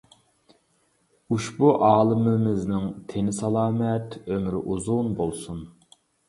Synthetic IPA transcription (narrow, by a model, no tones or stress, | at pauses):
uʃbuʔɑːlˠɨmɪmɪznɪŋt̪ʰenɪsɑlˠɑːmɛt̪ømɾɪʔuzunbolˠsun